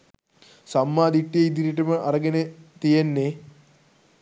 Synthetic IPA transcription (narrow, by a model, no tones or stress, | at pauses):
samːaːd̪iʈːijeid̪iɾiʈɐməʔɐɾɐɡenet̪ijenːe